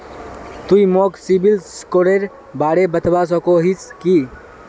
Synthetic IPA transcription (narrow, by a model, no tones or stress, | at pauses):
t̪uimoksibilskoɾeɾ | baɽebət̪bas̬ɔkoɦiski